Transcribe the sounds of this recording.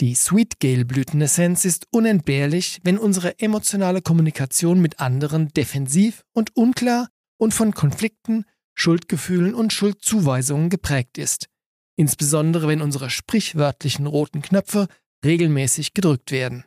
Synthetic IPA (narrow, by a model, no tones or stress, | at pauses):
d̥iːswiːtɡ̥eɪlblyːtn̩ɛsɛnsɪstʔʊnɛnt̚b̥eːɐlɪçvɛnʔʊnzəʁəʔemot͡sjonaːləkʰɔmunikʰat͡sjoːnmɪtʔandəʁəndefɛnziːf | ʊntʔʊnkl̥aːɐ | ʔʊntfɔnkʰɔnflɪk̚tn̩ | ʃʊltɡ̥əfyːlənʊntʃʊlt̚t͡suːvaɪzʊŋənɡəpʁ̥ɛːk̚tɪst | ʔɪnsb̥əzɔndəʁəvɛnʔʊnzəʁəʃpʁ̥ɪçv̥œɐtʰlɪçn̩ʁoːtn̩kʰnœp͡fə | ʁeːɡl̩mɛːsɪçɡ̥ədʁʏk̚tv̥eːɐdn̩